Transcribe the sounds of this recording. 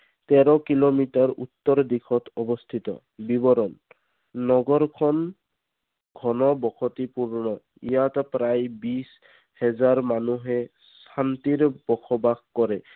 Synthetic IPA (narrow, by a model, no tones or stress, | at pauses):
tɛɾɔkilomitaɹṵt̪ːɔɹɔdikʰɔtɔbɔst̪ʰit̪ɔ̰ | bibɔɾɔnː | ɔɡɔɹkʰɔn | ɡʱɔnɔbɔkʰɔtipuɹnɔ | ijatpɾajbis | hɛzaɹmanuɦɛ | ssant̪iɹb̥ɔkʰɔbakkɔɹɛ